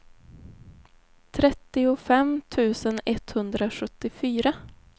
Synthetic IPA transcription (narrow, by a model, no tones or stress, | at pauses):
t̪ʰɾɛt̪ːɪʊfɛmt̪ʰʉ̟ːsənɛt̪hɵnd̪ɾaɧɵt̪ːɪfyːɾa